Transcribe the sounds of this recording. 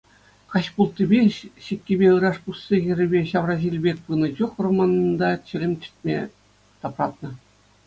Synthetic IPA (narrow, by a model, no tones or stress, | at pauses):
kɑɕpulˠt̪ʲːibʲeɕĭkʲːebʲeɯɾɑʂpusːeɣʲɘ̆ɾʲɘ̆bʲeɕɑʋrɑʑilʲbʲek̚ʲpɯnɤ̆t͡ɕuχromɑnnd̪ɑt͡ɕɘ̆lʲɘ̆mʲt͡ɕʲɘ̥̆t̪ʲmʲḛ | t̪ɑprɑt̪nɤ̆